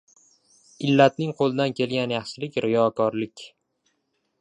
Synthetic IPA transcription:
ɪlːat̪nɪŋqʰolˠɪd̪ankʲʰe̞lɡʲanjɑχʃɪlɪkʲɾɪjɒkʰɒɾlɪkʲ

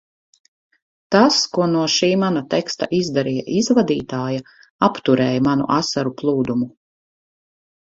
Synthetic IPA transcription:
t̪askuɔnuɔʃiːmanat̪ɛkst̪a̰ʔizd̪aɾija̰ʔizvad̪iːt̪aːja | apt̪uɾɛːjamanṵʔasaɾuplˠuːd̪umu

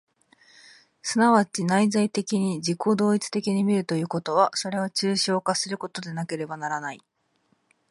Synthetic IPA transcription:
sɨnaβat͡ɕinaizait̪e̞kʲiɲ̟id͡ʑikʰo̞d̪o̞ːit͡sɨ̥t̪e̞kʲiɲ̟imʲiɾɯ̟t̪o̞jɯ̟ːko̞t̪o̞β̞aso̞ɾe̞o̞t͡ɕɨːɕo̞ːkasɨɾɯ̟ko̞t̪o̞d̪e̞nake̞ɾe̞banaɾanai

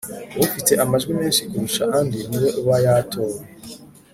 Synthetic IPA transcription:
βufite̞ʔamaʒɡwimeːnʃikuɾuʃaʔandiniweʔuβajatʰoːɾe

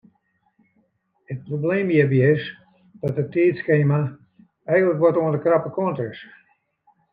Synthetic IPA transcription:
ət̚probleːmjəːbis | d̥ɔtətiːtskeːma | ɛjɣənləkʋɔtoəndəkrapəkoəntəɪs

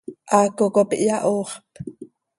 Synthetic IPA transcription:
ʔɑkokopiʔjaʔoːχp

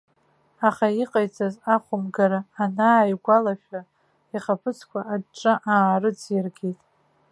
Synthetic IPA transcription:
aχaiqʼajt͡sʼazaχʷʊmɡaɾaːnaːjɡʷalaʃᶣa | iχapʰɨt͡sʰkʷʰaaʈ͡ʂʼɨʔaːrɨd͡zjɪrɡʲejtʼ

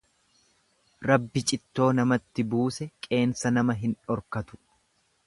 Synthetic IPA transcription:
ɾɐbːɪt͡ʃʼɪt̪ːo̞ːnɐmɐt̪ːɪbuːsɛkʼe̞ːnsɐnɐmɐɦɪnɔɾkɐt̪ʊ̥

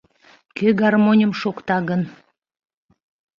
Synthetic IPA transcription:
køɡɑrmonʲəmʃokt̪ɑɣən

